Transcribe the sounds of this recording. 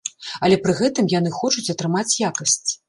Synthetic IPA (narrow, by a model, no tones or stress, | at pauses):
ɐlʲɛpɾɨɣɛt̪ɨmjan̪ɨxɔt͡ʂut͡sʲɐt̪ɾɨmat͡sʲjakɐsʲt͡sʲ